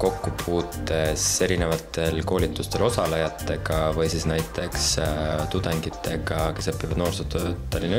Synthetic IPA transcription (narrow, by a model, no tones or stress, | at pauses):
ko̞kːupʰuːt̪ːe̞se̞ɾine̞vɑt̪ːe̞lko̞ːlʲit̪ːˑust̪e̞lo̞sɑlɑjɑt̪ːˑe̞ɡ̥ɑvɤjsisnæjt̪ʰˑe̞kst̪ud̪eŋɡit̪ːˑe̞ɡ̥ɑke̞sɤpːivɑd̪no̞ːrsot̪øt̪ːˑɑlin